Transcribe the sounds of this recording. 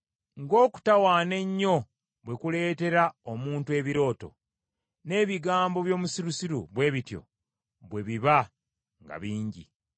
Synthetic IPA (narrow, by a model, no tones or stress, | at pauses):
ŋɡo̞ːku̥tawaːne̞ɲːo̞ | βwe̞kule̞ːte̞ɾaomuːntue̞ːβiɾo̞ːto̰ | ne̞ːβiɡaːmbo̞βjo̞ːmusiɾusiɾuβwe̞ːβitjo̞̰ | βwe̞βiβa | ŋɡa̰βiːɲɟḭ